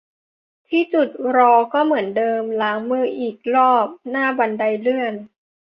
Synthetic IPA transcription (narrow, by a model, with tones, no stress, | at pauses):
t̪ʰiː˥˩t͡ɕu˨˩t̪̚ɾɔː˧kɔː˥˩mɯ˩˦əndɤː˧mlaː˩˦ŋmɯː˥˩ʔiː˨˩k̚lɔː˥˩p̚naː˥˩ba˧nda˧jlɯ˥˩ən